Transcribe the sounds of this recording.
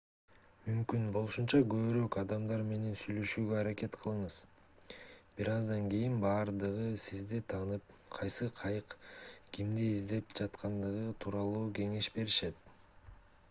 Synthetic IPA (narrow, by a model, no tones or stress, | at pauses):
mymkynbo̞lˠuʃunt͡ʃɑɡø̞βyɾø̞kɑd̪ɑmd̪ɑɾme̞ne̞nsyjlø̞ʃyːɡøɑɾake̞t̪qʰɯlˠɯɴɯz̥ | b̥iɾɑzd̪ɑŋɡijinbɑːɾd̪ɯʁɯsizd̪et̪ʰɑːnɯp̚ | qʰɑjsɯqʰɑjɯqɡ̥imd̪iizd̪e̞pd͡ʒɑt̪qʰɑnd̪ɯʁɯt̪ʰuːɾɑlˠuːɡe̞ŋe̞ʃbe̞ɾiʃe̞t̪̚